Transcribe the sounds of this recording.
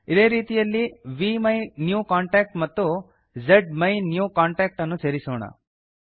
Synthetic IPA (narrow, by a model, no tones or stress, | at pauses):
id̪e̞ːɾiːt̪ijɐlːiʋimɐjnjuːkaːɳʈaːk̚ʈmɐt̪ːu | d͡ʒeɖmɐjnjuːkaːɳʈaːk̚ʈɐnːuseːɾisoːɳɐ̰